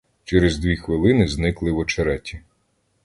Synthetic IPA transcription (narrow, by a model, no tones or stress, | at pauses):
t͡ʃɛɾezd̪ʲʋʲixʋɪlˠɪnɪznɪklˠɪwɔt͡ʃɐɾɛtʲi